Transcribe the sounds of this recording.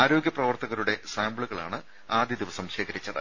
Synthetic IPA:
aːɾo̞ːɡjɐprɐʋɐrt̪ɐɣɐɾuɽe̞saːmbɭuɣɐɭaːɳɨ | aːd̪jid̪iʋɐsɐmɕeːɣɐɾit͡ɕːɐðɨ̰

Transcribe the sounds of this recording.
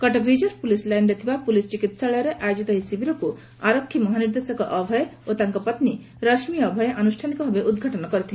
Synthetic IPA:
kɔʈɔɡɾid͡ʒɔɾpulislajnɖet̪ʰibapulist͡ʃikit̪saɭɔjɔɾeʔajod͡ʒit̪ɔɦisibʱiɾɔku | aɾɔkʰːimɔɦaniɾd̪esɔkɔʔɔbʱɔjot̪aŋkɔpɔt̪ni | ɾɔsmijːbʱɔjʔanusʈʰanikɔbʱɔbeʔud̪ɡʱaʈɔnɔkɔɾit̪ʰil

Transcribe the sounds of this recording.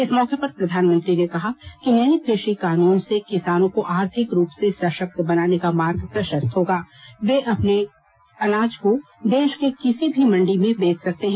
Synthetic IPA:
ɪsmɔːkepɐɾpɾɐd̪ʱaːnmə̃nt̪ɾinekɐɦakinɛːnik̪ɾeʃikaːnuːnsekɪsaːnõkoʔaːɾt̪ʰɪkɾuːpsesɐʃək̚t̪bɐnaːnekamaːɾɡpɾɐʃəst̪ɦoːɡaːʋeʔɐpne | ɐnaːd͡ʒko | d̪eːʃkekɪsibʱimɐ̃ɳɖimẽbeːt͡ʃʰsɐk̚t̪eɦɛ̃ː

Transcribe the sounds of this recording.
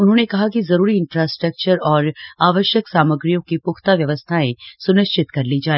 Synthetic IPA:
ʊnɦõːnekɐɦakizɐɾuːɾiɪ̃nfɾaːsʈɾək̚t͡ʃəɾɔːɾaːʋəʃjəksaːməɡɾijõkipʊxʰt̪aʋjɐʋəst̪ʰaẽsʊnɪʃt͡ʃɪt̪kɐɾlid͡ʒaːe

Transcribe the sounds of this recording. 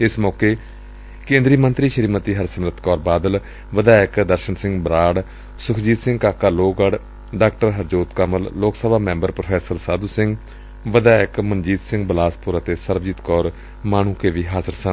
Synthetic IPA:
ɪsmɔːkeː | kẽːnd̪ɾiːmənt̪ɾiːʃəɾiːmət̪iːɦəɾsəmɾət̪kɔːɾbaːd̪əl | ʋəd̪aːɪkd̪əɾʃəɳsɪ̃ŋɡbɾaːɽ | sʊkʰd͡ʒiːd̪sɪ̃ŋɡkaːkaːloːɡəɽ | ɖaːk̚ʈəɾɦəɾd͡ʒoːt̪kəməlːoːksəbaːmɛ̃ːmbəɾpɾopʰɛːsəɾsaːd̪uːsɪŋɡ | ʋəd̪aːɪkmənd͡ʒiːd̪sɪ̃ŋɡbəlaːspʊɾət̪eːsəɾʋd͡ʒiːt̪kɔːɾ | maːɳ̃ũːkeːʋiːɦaːzəɾsən

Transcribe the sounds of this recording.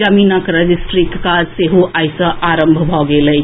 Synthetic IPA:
əminəkɾəd͡ʒisʈɾikːaseɦuʔajsə̃ʔaɾəmbʱbʱɔɡelə

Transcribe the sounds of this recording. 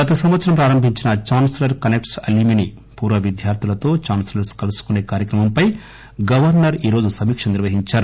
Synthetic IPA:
ɡɐt̪ɐsɐmʋɐt̪sɐɾɐmp̬ɾaːɾɐmbʱiɲt͡ʃinɐt͡ʃaːnslɐɾkɐnekʈsɐ̰limini | puːɾʋɐʋid̪ʱjaːɾt̪ʰilɐt̪o̞ːt͡ʃaːnslɐɾskɐlɐsu̥kuneːkaːɾjɐkɾɐmɐmpɐj | ɡɐʋɐɾnɐɾiːɾo̞ːd͡ʒusɐmiːkʂɐniɾʋɐɦiɲt͡ʃaːɾu

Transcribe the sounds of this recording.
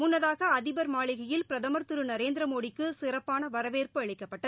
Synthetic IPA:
mʊnːɐðaːɣɐːðɪbɐɾmaːɭɪɣɐjɪlpɪɾɐðɐmɐɾt̪ɯɾɯnɐɾeːnd̪ɾɐmoːɽɪkːɯsɪrɐpːaːnɐʋɐɾɐʋeːrpɯɐɭɪkːɐpːɐʈːɐð

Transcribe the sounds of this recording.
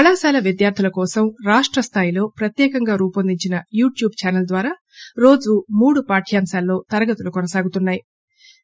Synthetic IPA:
pɐɭaːsaːlɐʋid̪jaːɾt̪ʰɐlɐkɔːsɐmɾaːʂʈɾɐst̪ʰaːjilo̞ːpɾɐt̪jɛːkɐŋɡaːɾuːpɐnd̪iɲt͡ʃinɐjuːʈjuːbt͡ʃaːnɐld̪ʋaːɾaː | ɾo̞ːd͡ʒumuːɽupaːʈʰjaːmsaːlːo̞ːt̪ɐɾɐɡɐt̪ulukɔnɐsaːɡut̪unːaːji

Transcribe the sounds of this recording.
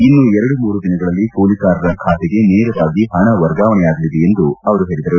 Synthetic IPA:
inːuɛɾɐɽumuːɾud̪inɐɡɐɭɐlːipoːlikaːɾɐɾɐkʰaːt̪ɛɡe̞neːɾuʋaːɡiɦɐɳɐʋɐɾɡaːʋɐnɛjaːɡ̪ɐlid̪eend̪uɐʋɐɾuɦe̞ːɭid̪ɐɾu

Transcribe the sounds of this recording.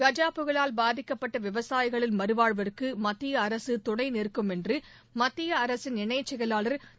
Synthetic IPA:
ɡɐd͡ʒaːpɯɣɐɭaːlbaːðɪkːɐpːɐʈːɐʋɪʋɐsaːjɪɣɐɭɪlmɐɾɯʋaːɻʋɐɾɯkːɯmɐt̪ːɪjɐːɾɐsɯt̪ʊɳɐɪnɪrkɯmɛndrɯ | mɐt̪ːɪjɐːɾɐsɪnɪɳɐɪt͡ʃːɛɣɐlaːɭɐɾ

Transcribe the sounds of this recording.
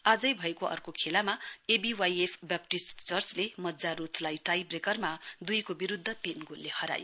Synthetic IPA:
ad͡zʌjbʱʌekoʌ̰rkokʰelamaebiwajepʰbap̚ʈist͡sʌrt͡slemʌd͡zaɾut̪ʰlajʈajbrekʌrmad̪ujkobiɾud̪ʱːʌt̪inɡʱulːehʌɾa̰jo

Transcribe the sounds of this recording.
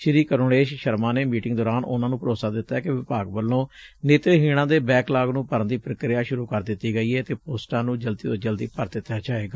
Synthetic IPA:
ʃɪɾiːkəɾoːɽeːʃʃəɾmãːneːmiːʈɪŋɡd̪ɔːɾaːnʔʊ̰nãːnũːpəɾoːsaːd̪ɪt̪ːaɛkɪʋɪpaːɡbəlːõːneːt̪ɾeːɦiːɽ̃ãːd̪eːbɛːklaːɡnũːpəɾənd̪iːpɾəkɾɪjaːʃʊɾuːkəɾd̪ɪt̪ːiːɡəiːɛːt̪eːpoːsʈãːnũːd͡ʒəlt̪iːt̪od͡ʒəld̪iːpəɾd̪ɪt̪ːaːd͡ʒaːeːɡaː

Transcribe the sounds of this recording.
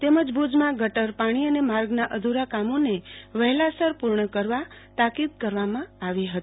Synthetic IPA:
t̪eməd͡ʒbud͡ʒmãɡʱəʈəɾpaɽ̃iənemaɾɡnaʔəd̪ʱuɾakamoneʋəɦɛlasəɾpuɾɳəkəɾʋat̪akid̪̚kəɾʋamãaʋiɦət̪i̥

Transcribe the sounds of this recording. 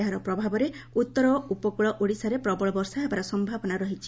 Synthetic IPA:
ɦaɾɔpɾɔbʱabɔɾe | ut̪ːɔɾɔupɔkuɭɔʔuɽisaɾepɾɔbɔɭɔbɔɾsaebaɾɔsɔmbʱabɔnaɾɔɦit͡ʃʰi

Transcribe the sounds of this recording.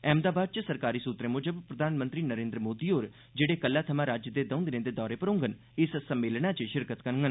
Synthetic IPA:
ɛ̃ːmd̪aːbaːd̪̚t͡ʃəsəɾkaːɾiːsuːt̪ɾemʊd͡ʒəbpɾəd̪ʱaːnmə̃nt̪ɾiːnəɾẽːnd̪ɾəmoːd̪iːɦoːɾ | d͡ʒeːɽeːkəlːaːt̪ʰəmãɾaːd͡ʒjəd̪eːd̪ə̃ʊ̃nd̪ɪnẽd̪eːd̪ɔːɾepəɾõːŋɡən | ɪssəmːeːlɽ̃at͡ʃəʃɪɾkət̪kəɾŋɡən

